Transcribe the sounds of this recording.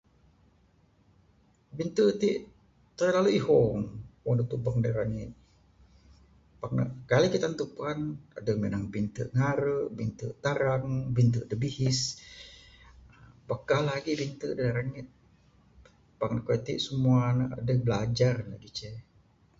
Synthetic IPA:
bint̪ət̪iʔ | t̪ərlaluiɦɔŋwonət̪ubaŋdaɾaŋit̪̚ | pak̚nə̰kalikit̪ant̪upana̰dəmenaŋbint̪ə̰ʔŋaɾəʔbint̪ə̰ʔt̪aɾaŋbint̪ədəbihɪs | bakːahlaɡibint̪ədaɾaŋət̪̚ | pak̚nəkoit̪ḭʔsəmuanəadəhbəlad͡ʒarla̰ɡit͡ʃɛ

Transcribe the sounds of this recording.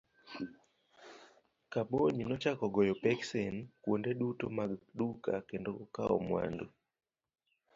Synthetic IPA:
kaboɲinɔt͡ʃakɔɡɔjɔpɛksenkwondeɗutomaɡɗuka̰kendoɔkaɔ̰mwa̰ndo

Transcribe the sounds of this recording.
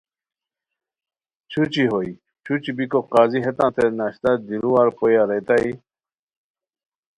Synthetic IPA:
t͡ɕʰut͡ɕiɦoj | t͡ɕʰut͡ɕibikoqaːziɦet̪ãːt̪ʰenaɕt̪ad̪iɾuwaɾpʰojaɾet̪aj

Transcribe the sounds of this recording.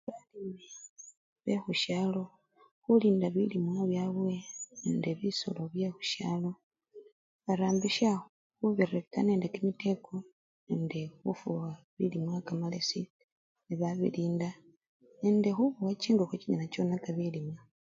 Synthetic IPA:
βalime | βexuʃalo̞ | xuliːndaβilimwaβjaβwe̞nendeβiso̰lo̞βje̞xuʃa̰lo̞ | βaɾaːmbiʃa | xuβeɾekane̞ːndekimite̞ko | nendexufuwa | βilimwakamalesi | niβaβḭliːnda | nendexuβuwat͡ʃiːŋɡoxwet͡ʃiɲanat͡ʃo̞nakaβilimwa

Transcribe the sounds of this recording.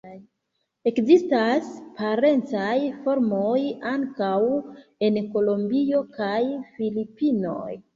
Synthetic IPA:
e̞kzistaspaɾe̞nt͡sajfo̞ɾmo̞jaŋkawe̞nko̞lo̞mbio̞kajfilipino̞̰j

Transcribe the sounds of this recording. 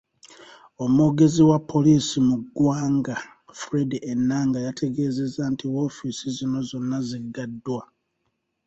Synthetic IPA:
o̞moːɡe̞ziwapːo̞liːsimuɡwaːŋɡa | fɾediʔenːaːŋɡajatʰe̞ɡe̞ːze̞zantʰiwo̞ːfisizino̞zo̞nːaziɡadːwa

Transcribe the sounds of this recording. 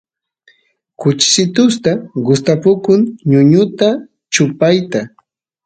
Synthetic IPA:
kʊt͡ʃɪ̥sɪt̪ʊst̪aɢʊst̪apʊkʊŋɲʊɲʊt̪a | t͡ʃʊpajt̪a

